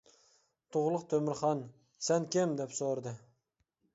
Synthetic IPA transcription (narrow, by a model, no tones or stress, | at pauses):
t̪ʰʊʁlˠəqt̪ʰɵmɪɾχɑn | sænkʲemd̪epsoɾd̪ə